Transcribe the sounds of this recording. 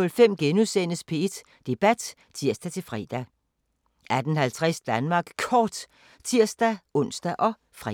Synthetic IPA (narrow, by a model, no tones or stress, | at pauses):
ɔlfem̰ɡ̥enusen̰əspʰe̝e̝d̥ | d̥e̝b̥æd̥ | t͡sʰiɐ̰sd̥æt͡sʰe̝lfʁḭːd̥æ | ʔæd̥ən̩hælt͡sʰʁɛsd̥ænmɑ̈ːɡ̥kʰɒːd̥ | t͡sʰiɐ̰sd̥æɔ̽n̰sd̥æʔɒ̽ | fʁɛ